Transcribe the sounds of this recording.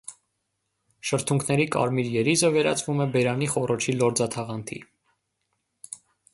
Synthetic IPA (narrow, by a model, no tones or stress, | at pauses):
ʃəɾt̪ʰuŋkʰnɛɾikɑ̰ɾmiɾjɛɾizəvɛɾɑ̰t͡svumɛbɛɾɑniχɔrʔɔt͡ʃʰilɔɾd͡zɑt̪ʰɑʁɑnt̪ʰḭ